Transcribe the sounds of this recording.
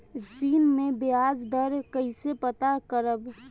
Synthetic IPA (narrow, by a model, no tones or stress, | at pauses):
siːnmẽbeaːd͡ʒd̪əɾkəɪsepət̪akəɾəb